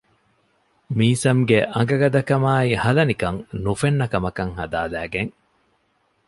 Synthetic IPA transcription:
miːsɐmɡeʔɐŋ̆ɡɐɡɐd̪ɐkɐmaːihɐlɐnikɐŋnufenːɐkɐmɐkɐŋhɐ̰d̪aːlæːɡeŋ

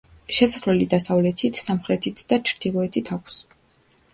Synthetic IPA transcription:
ʃɛsaslɛlid̪asavlɛt̪ʰit̪ʰsamχɾɛt̪ʰit̪ʰd̪at͡ʃʰɾd̪̥ilˠɔɛt̪ʰit̪ʰakʷʰs

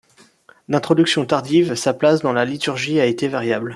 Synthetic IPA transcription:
d̪ɛ̃t̪χɔd̪yksjɔ̃t̪aʁd̪ivsaplasd̪ɑ̃lalit̪yʁʒiaet̪evaʁjabl

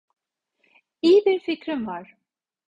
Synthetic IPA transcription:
ijibiɾficɾimvaɾ̥

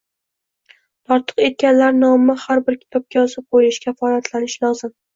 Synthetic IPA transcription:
t̪ʰɒɾt̪ʰɨ̥qe̞t̪̚kʲanlaɾnɒmahaɾbɪɾkʲʰɪ̥t̪ʰɒp̚kʲajɒzɪp̚qʰojɪʃkʲafɒlat̪ʰlanɪʃlˠɒzɪm

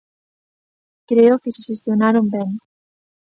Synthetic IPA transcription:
kɾeokɪseʃest̪jonaɾombeŋ

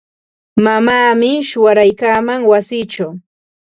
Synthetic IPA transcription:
mamaːmɪʃʊwaɾajkaːmaŋwasiːt͡ʃaw

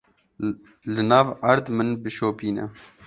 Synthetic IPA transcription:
lɨnɑːvɐɾd̪mɨnbɨʃoːpiːnɛ̰

